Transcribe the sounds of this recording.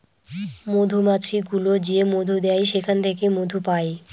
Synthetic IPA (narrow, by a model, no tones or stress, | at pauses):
mod̪ʱumat̪ɾiɡulod͡ʑiemod̪ʱud̪eajʃekʰant̪ʰekemod̪ʱupae